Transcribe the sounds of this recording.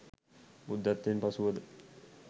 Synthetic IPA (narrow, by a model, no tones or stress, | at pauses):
bud̪ːat̪ːenpasuʋəd̪ə